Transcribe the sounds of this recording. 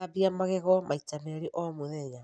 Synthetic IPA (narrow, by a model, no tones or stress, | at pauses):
abiamaɣɛɣɔmait͡ʃameɾiʔɔmuðɛɲa